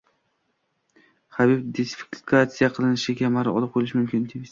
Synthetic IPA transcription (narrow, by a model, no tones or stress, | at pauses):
χabibd̪esfi̥kʰat̪sijaqʰɨlˠɪnɪʃɪkʲʰamaɾɪɒ̰lˠɪp̚qʰojlɪʃmʊmkʲʰɪnd̪imɪz